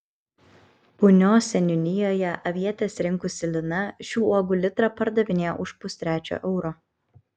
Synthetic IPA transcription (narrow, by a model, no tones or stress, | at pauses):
pʊnʲoːsʲɛnʲʊnʲɪjoːjɛʔɐʋʲiɛt̪ʲeːsɾʲɪŋkʊsʲɪlʲɪnɐʃʲuːuɔɡʊlʲɪt̪ɾɐpɐɾd̪ɐʋʲɪnʲeːj̰ʔʊʃpʊsʲt̪ʲɾʲæːt͡ʃʲo̰ːʔɛʊɾoː